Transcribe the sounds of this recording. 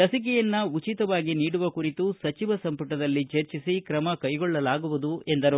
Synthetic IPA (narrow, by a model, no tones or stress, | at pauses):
lɐsik̬ɛjɐnːɐut͡ʃit̪ɐʋaːɡiniːɽuʋɐkuɾit̪usɐt͡ʃiʋɐsɐmpuʈɐd̪ɐlːit͡ʃeɾt͡ʃisikɾɐmɐkɐjɡɔɭːɐlaːɡuʋud̪ue̞nd̪ɐɾu